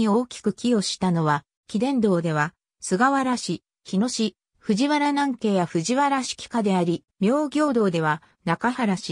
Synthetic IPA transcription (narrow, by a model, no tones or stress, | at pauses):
io̞ːkʲi̥kɯ̟kʲio̞ɕi̥t̪ano̞βa | kʲid̪ẽ̞nd̪o̞ːd̪e̞β̞a | sɨɡaβaɾaɕi | çino̞ɕi | ɸɯ̟ʑiβaɾanãŋke̞ːjaɸɯ̟ʑiβaɾaɕi̥kʲi̥kad̪e̞aɾʲi | mʲjo̞ːɡʲo̞ːd̪o̞ːd̪e̞βa | nakahaɾaɕi